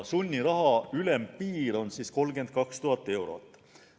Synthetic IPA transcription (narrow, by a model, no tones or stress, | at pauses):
sunʲːiɾɑɦɑylempiːɾo̞nsiːsko̞lɡe̞nd̪̥̚kɑkst̪uɦɑt̪ːˑe̞wɾo̞̰t̪ːˑ